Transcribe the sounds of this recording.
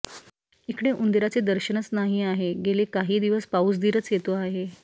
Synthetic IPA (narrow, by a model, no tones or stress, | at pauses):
ekɽeʔund̪iɾat͡sed̪əɾɕəɳət͡snaɦiːaɦeɡelekaɦiːd̪iʋəspausd̪iːɾət͡sjet̪oaɦe